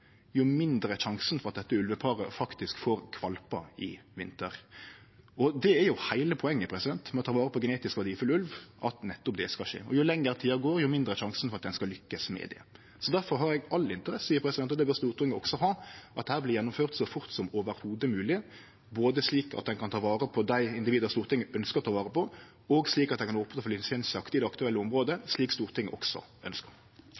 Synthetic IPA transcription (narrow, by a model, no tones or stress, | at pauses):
jʊmɪnd̪ɾəʃɑŋsən̩fɔɾɑt̪̚d̪ɛt̪ːəʉlʋəpʰɑːɾəfɑkt̪ɪskfoːɾkʰʋɑlpɑ̰ɪʋɪnt̪əɾ | ɔd̪ɛæɾjʊhæɪləpʰɔɛŋːəpʰɾɛsɪd̪ɛnt̪mɛɔt̪ʰɑːʋɑːɾəpʰɔɡəneːt̪ɪskʋɑʁd̪iːfʉlʉlʋʔɑt̪nɛt̪ːɔpd̪ɛskɑʃḛːɔjʊlɛŋːəɾt̪ʰiːɑɡoːɾjʊmɪnd̪ɾəʃɑŋsn̩fɔɾʁɑt̪̚d̪ɛnskɑlʏkːəsmɛ̰d̪ɛ̰ | sɔd̪æɾfɔʁɦɑɾɛɡɑlːɪnt̪əʁɛssiːəɾpʰɾɛsd̪ɛnɔd̪ɛbəɾst̪uːɾt̪ʰɪŋːəɔksɔɦɑːʔɑt̪d̪hæːʁblɪːjɛnːʊmføːʁt̪sɔfʊʁt̪sɔmoːʋəɾhuːd̪əmʉːlɪ | boːd̪əsliːkɑ̰t̪d̪ɛnkʰɑnt̪ʰɑːʋɑːɾəpʰɔd̪æɪɪnd̪ɪʋiːd̪əɾst̪uːɾt̪ʰɪŋːəʔœnskəʁt̪ɑːʋɑːʁəpʰɔ | ɔɡsliːkɑt̪̚ɛnkʰɑnoːpnfɔlɪnsɛnsəɑkt̪iːd̪ɛɑkt̪ʉɛlːəʊmʁoːd̪əsliːkst̪uːʁt̪ʰɪŋːəʔɔksɔ̰œnskəɾ